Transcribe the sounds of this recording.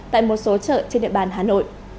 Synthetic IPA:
t̪a̰ː˧˨jmo˨˩t̚so˨˦t͡ɕə̰ː˧˨t͡ɕe˧nɗḭ˧˨əɓaː˨˩nɦaː˨˩no̰˧˨jʔ

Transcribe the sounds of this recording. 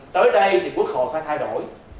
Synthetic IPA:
t̪əː˨˦jɗə˧jt̪ʰi˨˩ku˦˥ək̚xo̰˧˨faː˧˥jt̪ʰaː˧jɗo̰˧˩j

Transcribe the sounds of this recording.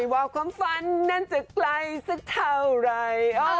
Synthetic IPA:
jwaː˧˩wkʰwaː˧˥mfa˧nːa˧˥˩nt͡ɕa˨˩kla˧jsa˧˩k̚t̪ʰa˧wɾa˧jʔo˧˩

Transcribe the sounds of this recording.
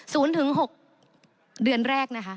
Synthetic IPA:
suː˩˦nt̪ʰɯ˩˦ŋɦo˨˩k̚ | dɯ˨˩ənɾɛː˥˩k̚na˦˥kʰa˦˥

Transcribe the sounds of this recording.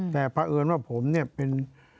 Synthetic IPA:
t̪ɛː˨˩pʰa˧ʔɤː˧nwaː˥˩pʰo˩˦mni˥˩ɐpe˧n

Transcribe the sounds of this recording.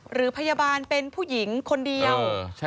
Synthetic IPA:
ɾɯː˩˦pʰa˧jaː˧baː˧npe˧npʰuː˥˩ji˩˦ŋkʰo˧ndi˧əw

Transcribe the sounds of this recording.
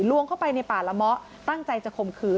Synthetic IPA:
lu˧əŋkʰa˥˩wpa˧jna˧jpaː˨˩la˧˥mɔ˦˥ʔ | t̪a˥˩ŋt͡ɕa˧jt͡ɕa˨˩kʰo˧mkʰɯː˦˥

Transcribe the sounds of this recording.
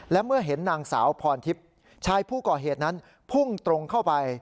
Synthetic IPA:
lɛ˦˥mɯ˥˩ɐɦe˩˦nːaː˧ŋsa̰ː˩˦wpʰɔː˧nt̪ʰi˦˥p̚ | t͡ɕʰaː˧jpʰuː˥˩kɔː˨˩ɦeː˨˩t̪̚na˦˥n | pʰu˥˩ŋt̪ɾo˧ŋkʰa˥˩wpa˧j

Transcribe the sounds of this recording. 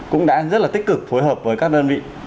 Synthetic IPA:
kʊ̰˧˥ŋ͡mɗa̰ː˧˥zə˦˥t̚laː˨˩t̪ï˦˥k̚kɨ˨˩k̚fo˨˦jɦəː˨˩p̚vəː˨˦jkaː˦˥k̚ɗəː˧nvḭ˧˨

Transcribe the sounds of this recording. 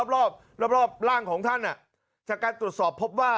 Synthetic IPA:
p̚ɾɔː˥˩p̚ | ɾɔ˥˩p̚ɾɔː˥˩p̚ɾaː˥˩ŋkʰɔː˩˦ŋt̪ʰa˥˩nːʔa˨˩ʔ | t͡ɕaː˨˩kːaː˧nt̪ɾu˨˩ət̪̚sɔː˨˩pʰːo˦˥p̚waː˥˩

